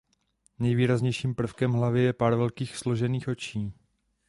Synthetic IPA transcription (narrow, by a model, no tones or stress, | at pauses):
nɛjviːɾazɲɛjʃiːmpr̩fkɛmɦlavɪjɛpaːɾvɛlkiːxslo̞ʒɛniːxʔo̞t͡ʃiː